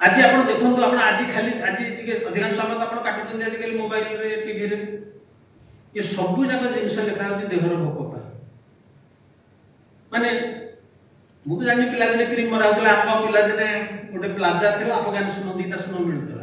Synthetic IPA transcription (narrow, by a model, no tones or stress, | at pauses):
ad͡ʒiapɔɽ̃ɔd̪ekʰunt̪uapɔɽ̃ɔad͡ʒikʰaliad͡ʒiɔd̪ʱikansɔbʱat̪ɔapɔɽ̃ɔkaʈʰid͡ʒɔnd̪iad͡ʒ̪ikalimobajlɾekibʱiɾe | esɔbud͡ʒaɡɔd̪enisɔlet̪ʰaɾud͡ʒ̪id̪eɦɔɾɔbʱɔkɔpa̰ | mane | bukd͡ʒanipilad̪inekɾimɔɾaɦut̪ʰilaapapilad̪ineoʈeplad͡ʒaɾt̪ʰilaapɔɡjanɔsɔmɔnd̪ʱieʈasunɔmiɭ̃ut̪ʰila̰